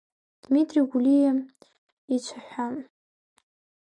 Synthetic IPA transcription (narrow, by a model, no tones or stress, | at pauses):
d̥mitʼriɡʷulijam | it͡ʃʷʰaħʷam